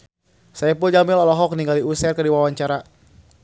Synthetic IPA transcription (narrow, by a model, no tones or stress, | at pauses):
sajapuld͡ʒamɪlɔlɔɦɔkniŋɡaliusɛrkədiwawaɲt͡ʃaɾa